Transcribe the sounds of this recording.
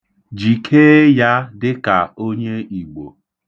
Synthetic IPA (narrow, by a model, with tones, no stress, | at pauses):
d͡ʒi˨kʰeː˦ja˦dɪ˦ka˨o˦ɲe˦i˨ɡ͡bo̰˨